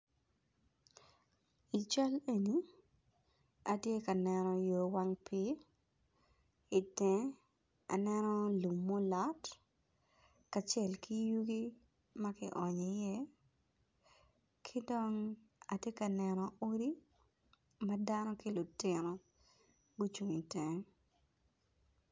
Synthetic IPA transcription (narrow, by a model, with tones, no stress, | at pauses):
i˨t͡ʃa˦le˦ni˨ | a˨tje˦ka˨nɛnɔ˨jo˨wa˦ŋpɪ˦ | i˨tɛ̃˨ | a̰˨nɛ˦nɔ˦lu˨mːo˦lɔ˦t | ka˨t͡ʃɛ˦˨lki˦ju˦ɡi˦ | mɐ˦kɪ˦ʔɔ˨ɲ˨jɛ˦ | kʰi˦dɔ˦ŋ | a˨tje˦ka˨nɛ˨nɔ˨o˦ɾi˦ | mɐ˦da˦nɔ˦ki˦lʊ˨tɪ˨nɔ˨ | ɡo˦t͡ʃu˨ŋi˨tɛ˨